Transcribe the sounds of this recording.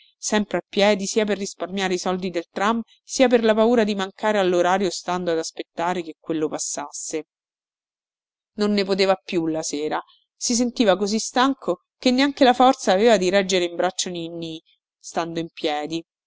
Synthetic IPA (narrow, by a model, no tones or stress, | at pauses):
sɛmpɾeapːjɛːd̪isiːap̬erːisparmjaːɾeisɔld̪id̪elt̪ɾam | siːap̬erlapauːɾad̪imaŋkaːɾealːoɾaːɾjost̪and̪oad̪aspet̪ːaːɾekekːwelːopasːasːe | nonːepot̪̬eːvapjulaseːɾa | sis̬ent̪iːvakozist̪aŋkʰo | kenːeaŋkelafɔrt̪saːveːvad̪iɾɛd͡ʒːeɾeimbɾat͡ʃːoninːi | st̪and̪oimpjɛːd̪i